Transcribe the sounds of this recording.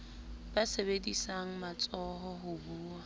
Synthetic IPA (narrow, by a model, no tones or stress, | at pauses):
b̥asebedisaŋ̩mat͡sʼɔɦɔɦʊbuːa